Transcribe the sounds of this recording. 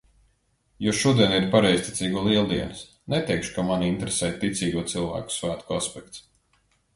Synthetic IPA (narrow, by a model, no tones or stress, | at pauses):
jɔʃuɔd̪iɛniɾpaɾɛjsʲt̪i̥t̪sʲiːɡulˠiɛlˠd̪iɛns | nɛt̪ɛjkʃu̥kamanint̪ɾesɛːjt̪ːit̪siːɡuɔt̪silˠvæ̰ːku̥svæːt̪kuaspɛk̚t̪s